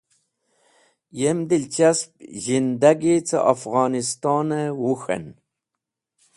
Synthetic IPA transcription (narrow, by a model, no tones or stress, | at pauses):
jemd̪ilt͡ʃasp̚ʒind̪aɡit͡sʰə̰ʔafɣɑːnist̪ɑːnəwuxḛn